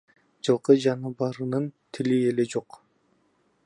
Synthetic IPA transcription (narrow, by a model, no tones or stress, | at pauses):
d͡ʒɯlˠqɯd͡ʒɑnubɑɾɯnɯnt̪ʰiliele̞d͡ʒo̞q